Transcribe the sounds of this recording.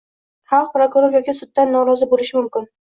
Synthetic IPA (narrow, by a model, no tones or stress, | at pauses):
χɑlˠq̚pɾokʊɾoɾjɒkʲɪsʊd̪̚ːanːɒɾɒzɪbolɪʃɪmʊmkʲɪn